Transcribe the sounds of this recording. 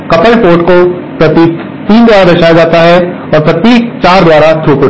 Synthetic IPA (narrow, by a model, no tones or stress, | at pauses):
kɐpəlpoːʈko | pɾɐt̪iːk | t̪iːnd̪ʋaːɾad̪ɐʃaːjad͡ʒaːt̪aɦɛ | ɔːɾpɾɐt̪iːkt͡ʃaːɾd̪ʋaːɾat̪ʰuːkʊ